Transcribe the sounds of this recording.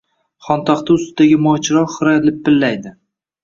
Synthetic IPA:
χɒnt̪ʰaχt̪ɪʊst̪ɪd̪aɡʲɪmɒt͡ʃʰɪɾɒɾχɨɾaj̪lɪpʰːɪlːajd̪ɪ

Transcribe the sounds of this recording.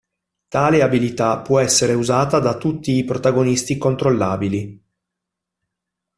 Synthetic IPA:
t̪aːleabilit̪apːwɔɛsːeɾeuzaːt̪ad̪at̪ut̪ːiːpɾot̪aɡonist̪ikont̪ɾolːaːbili

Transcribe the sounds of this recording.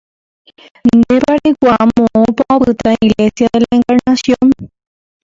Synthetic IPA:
nnd̪epaɾekʷamõʔõpaaβɨt̪aiɣle̞sjaðelðaeŋkaɾnasjõn

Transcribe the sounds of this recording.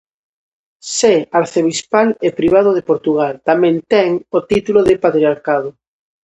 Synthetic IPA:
seaɾθeβispalepɾiβ̞að̞oðepoɾt̪uɣ̞alt̪amɛ̃nt̪ɛŋot̪it̪uloðepat̪ɾiaɾkað̞o

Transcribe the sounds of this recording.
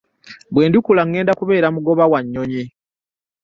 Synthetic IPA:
bwe̞ːndukulaŋːe̞ːndakuβe̞ːɾamuɡo̞βawaɲːo̞ɲi

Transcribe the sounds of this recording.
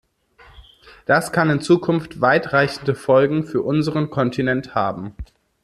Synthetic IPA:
d̥askʰanɪnt͡suːkʰʊnftv̥aɪtʁ̥aɪçn̩dəfɔlɡŋ̩fyːɐʔʊnzəʁənkʰɔntʰinɛnthaːbm̩

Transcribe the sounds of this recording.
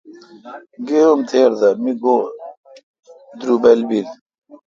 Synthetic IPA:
ɡeomt̪ʰeːɾd̪ɐmiɡo | d̪ɾubɐlbil

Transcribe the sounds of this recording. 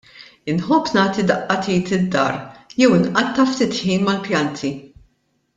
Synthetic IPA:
ɪnħɔpːnɐːt̪id̪ɐʔːɐt̪iːt̪ɪd̪ːɐ̰ːɾjɛwɪnʔɐt̪ːɐft̪ɪt̪ħiːnmɐlpjɐnt̪ʰi

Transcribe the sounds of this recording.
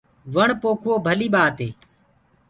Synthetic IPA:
ʋəɳpoːkʰʊoːbʱəliːɓaːt̪eː

